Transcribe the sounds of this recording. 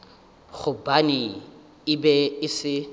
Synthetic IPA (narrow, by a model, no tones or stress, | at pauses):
ɣʊbanɪ | ɪbɛɪsɪ